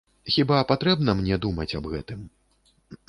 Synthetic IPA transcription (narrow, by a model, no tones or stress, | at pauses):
xʲibapat̪ɾɛbnɐmnʲɛd̪umɐt͡sʲɐbɣɛ̰t̪ɨm